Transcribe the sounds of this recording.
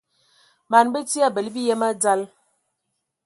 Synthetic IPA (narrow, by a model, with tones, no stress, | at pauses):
ma˨nbə˦ti˦a˦˨bə˨lbi˦jɛ˦ma˦d͡za˦l